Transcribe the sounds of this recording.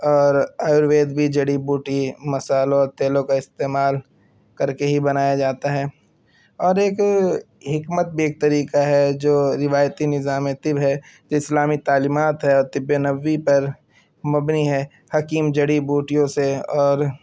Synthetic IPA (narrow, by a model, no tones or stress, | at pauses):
ɔːɾaːjʊɾʋeːd̪bʱid͡ʒɐɽibuːʈimɐsaːlõɔːɾt̪eːlõkaɪst̪eːmaːl | kɐɾkeɦibɐnaːjad͡ʒaːt̪aɦɛː | ɔːɾeːk | ɦɪkmət̪̚bʱieːk̚t̪ɐɾiːkaɦɛd͡ʒoːɾɪʋaːjt̪inɪzaːmẽt̪ɪbɦɛ | d͡ʒoːɪslaːmit̪aːliːmaːt̪ɦɛɔːɾt̪ɪbjenɐʋːipɐɾ | mɐbniɦɛː | hɐkiːmd͡ʒɐɽibuːʈijõseɔːɾ